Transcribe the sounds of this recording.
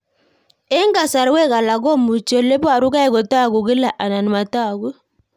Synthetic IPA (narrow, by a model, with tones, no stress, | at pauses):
ɛ˦ŋɡa˨sa˨ɾwɛ˦ɣa˨la˨ɣɔ˦mu˨t͡ʃɔ˨le˦bwa˨ɾu˦ka˦ɛ˦˨ɣɔ˨ta˦˨ɣu˨ɣi˦la˨ʔa˨na˨ni˨ma˨ta˦˨ɣwu˦